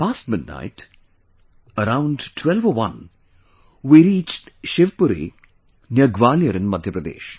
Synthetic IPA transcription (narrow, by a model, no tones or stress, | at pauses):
paːsʈmɪd̚na̰ɪʈ | əɾãʊ̃nɖʈʰwɛlʋoʋɐ̃n | wiɾiːt͡ʃʈʃeʋpuɾḭ | njɐɡʋaːljɐɾɪ̃nmɐd̪ʱjəpɾɐd̪ḛːʃ